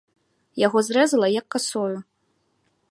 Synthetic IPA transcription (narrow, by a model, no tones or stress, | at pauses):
jaɣɔzɾɛzɐlˠɐjɐkːasɔju